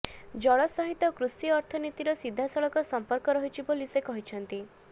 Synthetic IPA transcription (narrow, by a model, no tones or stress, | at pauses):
d͡ʒɔɭɔsɔɦit̪ɔkɾusiɔɾt̪ʰɔnit̪iɾɔsid̪ʱːasɔɭɔkɔsɔmpɔɾkɔɾɔɦit͡ʃʰipolisekɔɦit͡ʃʰɔnt̪i